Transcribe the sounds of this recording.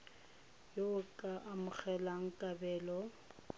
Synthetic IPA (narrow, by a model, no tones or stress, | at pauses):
joʊkʼaʔamʊk͡xʰɛlaŋ̩kʼabɛːlɔ